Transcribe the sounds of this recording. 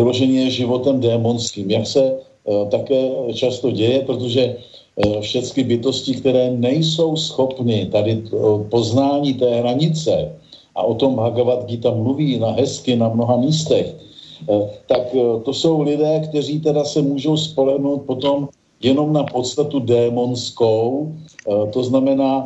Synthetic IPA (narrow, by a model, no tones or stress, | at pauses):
ulo̞ʒɛɲɛjɛʒɪvo̞t̪ɛmdɛːmo̞nskiːmjaksɛ | t̪akɛːt͡ʃast̪o̞ɟɛjɛpɾot̪o̞ʒɛ | fʃɛtt͡skɪbɪt̪o̞scɪkt̪ɛɾɛːnɛjso̞wsxo̞pnɪt̪adɪpo̞znaːɲiːt̪ɛːɦɾaɲɪt͡sɛ | ʔa̰ʔo̞t̪o̞mbɦaɡavat̪ɡit̪amːluviːnaɦɛskɪnamno̞ɦamiːst̪ɛx | t̪akt̪o̞so̞wlɪdɛːkt̪ɛriːt̪ɛdasɛmuːʒo̞wspo̞lɛɦnowt̪̚po̞t̪o̞m | jɛno̞mnapo̞t̪st̪at̪udɛːmo̞nskow | t̪o̞znamɛnaː